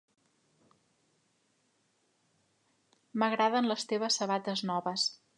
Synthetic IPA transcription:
məɣɾaðənləst̪eβ̞əsːəβat̪əznɔβəs

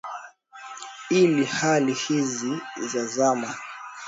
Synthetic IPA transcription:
ilihalihizizazama

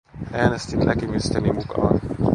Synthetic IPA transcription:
ʔæːnest̪imlʔækimyst̪ɛnimukɑ̰ːn

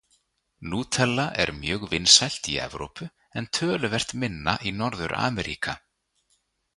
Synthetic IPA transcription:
nuːt̪ʰɛlːaʔɛɾmjœːɣvɪnsajl̥t̪iɛ̰vɾo̰wpʏ | ɛnt̪ʰœːlʏvɛr̥t̪mɪnːaʔinɔɾðʏɾʔa̰ːmɛɾʔiːka

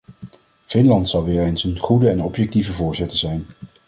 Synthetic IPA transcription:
v̥ɪnlɑntsɑlˠʋɪːɹejnsənχudəɛnɔpjɛk̚tivəvʊːɹzɪtəzɛjn

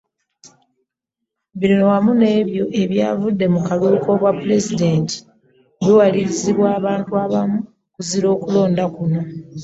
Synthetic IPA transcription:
βiɾinowamune̞ːβjo̞ʔe̞βja̰ːvudːe̞mukaluːko̞βwapːuɾe̞zide̞nti̥ | βiwaliɾiziβwaːβaːntuaβamu | kuziɾo̞ːkulo̞ːndakuno̞

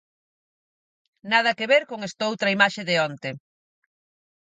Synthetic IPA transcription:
nað̞ɐkeβeɾkoŋest̪aowt̪ɾɐaimaʃeðeont̪e

